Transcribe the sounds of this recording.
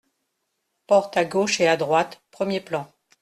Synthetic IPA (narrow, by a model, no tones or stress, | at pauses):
pɔʁt̪aɡoʃead̪ʁwat̪pχəmjeplɑ̃